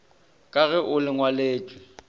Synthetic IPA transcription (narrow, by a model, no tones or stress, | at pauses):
kʼaɣɛʔʊlɪŋwaleːt͡ʃʼwɪ